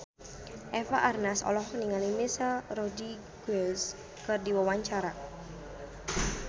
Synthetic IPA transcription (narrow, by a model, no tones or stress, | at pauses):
ʔɛfaʔarnasɔ̰lɔhkəniŋalimisarɔdi | ɡ̥ɛls | kɨrdiwawaɲt͡ʃaɾa